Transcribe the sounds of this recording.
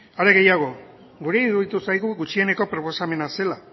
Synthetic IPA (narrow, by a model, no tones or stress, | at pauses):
aɾe̞ɣe̞jaɣ̞o̞ | ɡuɾe̞iɣuðit̪usajɣuɣut͡ʃie̞ne̞ko̞pɾo̞po̞same̞nase̞la